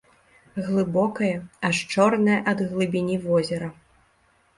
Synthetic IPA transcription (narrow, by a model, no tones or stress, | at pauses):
ɣlˠɨbɔkɐjɐɐʂt͡ʂɔrnɐjɐʔɐd̪ɣlˠɨbʲinʲivɔzʲɛɾɐ